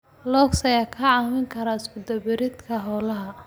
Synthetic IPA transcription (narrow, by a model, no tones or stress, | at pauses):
lɔːksɐjakʰɐʕɑwɪŋkʰɐɾaɪskʰʊd̪ɐbɪɾɪd̪kʰɐɦɔːlɐɦɐ